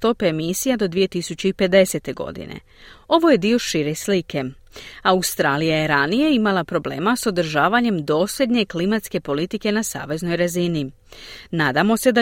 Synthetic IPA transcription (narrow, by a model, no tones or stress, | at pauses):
t̪o̞peːmisijad̪o̞d̪ʋije̞t̪isut͡ɕeipe̞d̪e̞se̞t̪e̞ɡo̞̰d̪ḭnḛ | o̞ʋo̞je̞d̪io̞ʃiɾe̞slike̞ | aust̪ɾaːlijajeɾanije̞imalˠapɾo̞ble̞̰ːmaso̞d̪ɾ̩ʒaːʋaɲe̞md̪o̞ːsʎe̞d̪ɲe̞klimat̪ske̞po̞lit̪ike̞nasa̰ːʋe̞zno̞jɾazini | naːd̪amo̞se̞d̪a